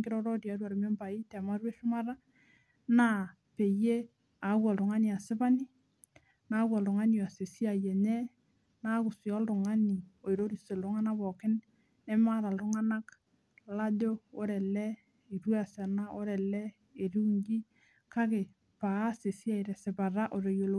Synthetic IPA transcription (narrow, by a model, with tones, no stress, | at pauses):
ŋɡɪ˦ɾɔ˦ɾɔ˦tja˨˦twa˨ɾme˦mba˨i˦tɛ˨ma˦ɾwe˦ʃʊ˦ma˦ɾa˦ | na˦ | pe˨je˦ | a˨˦kwɔ˨lɾʊ˨ŋa˦ni˨a˨sɪ˦ba˦ni˦ | na˦kɔ˨lʊ˨ŋa˦ni˨a˨se˨si˦a˨jɛ˨ɲɛ˦ | na˦kʊ˨si˨ɔ˦ldʊ˨ŋa˦ni˨o˨i˨ɾo˦ɾi˨se˨lʊ˦ŋa˦na˦βɔ˨kɪ˦n | ɛ˦ma˦ɾa˨lʊ˦ŋa˦na˦k | la˦do˦o˦ɾɛ˨lɛ˦ | i˨ɾwe˦a˨sa˨na˦ʔo˦ɾɛ˨lɛ˦ | e˨ɾu˦ŋɡi˦ | ka˦ke˨ | pa˨˦se˨si˦a˦˨i˨ɾɛ˨sɪ˨ba˨ɾa˦ʔo˨ɾe˨jo˨lo